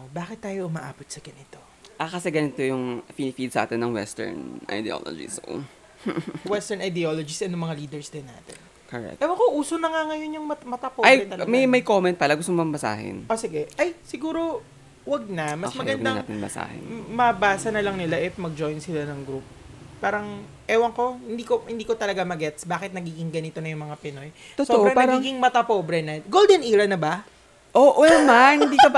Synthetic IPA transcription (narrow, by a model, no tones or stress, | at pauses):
ʔobaːkɪt̪̚ːaːjo̞ʔʊmɐʔa̰ːpot̪̚sɐɡɐnɪt̪o̞ | ʔɐkɐsɛɡɐnɪt̪ojʊŋfinɪfid̪̚sɐʔa̰ːt̪ɛnːɐŋwɛ̰st̪ɛ̰ɹnʔɐ̰jd̪ɛʔo̰lo̰d͡ʒɪ̰so̰ | wɛst̪ɛɹnɐjd̪ɛolod͡ʒɪsʔɛnːʊŋmɐŋaliːd̪ɛɹsd̪ɪnːa̰ːt̪ɛn | koɹɛ̰k̪ʔɛbɐkoʔuːsonɐŋaŋɐjo̞njʊŋmɐmɐt̪ɐpoajɛɐlɐmɐjmɐjkomɛnt̪̚pɐlaɡʊs̬t̪omɐmbɐsa̰ːɦɪ̰nʔosɪɡɛʔɐjsɪɡuːɾo̞ | wɐɡ̚nɐmɐsmɐɡɐnd̪aa̰t̪ɪ̰bɐ̰sa̰ːhɪ̰mɐbaːsɐnɐlɐŋnɪlaʔɛt̪mɐɡ̚d͡ʒo̞jnsɪlanɐŋɡɾup̚ | paːɾɐŋ | ʔɛːwɐŋko̞hɪnd̪iːko̞hɪnd̪iːkot̪ɐlɐɡamɐɡɛt̪sbaːkɪt̪̚nɐɡiːɡɪŋɡɐnɪt̪o̞nɐjʊŋmɐŋapɪno̞j | t̪otsooʔoɾɐpaːɡɾɐiːɡɪŋmɐt̪ɐpoːbɾɛnɐɡold̪ɛniːɾɐnɐbɐ | ʔoʔɛmaɪnd̪iːkɐ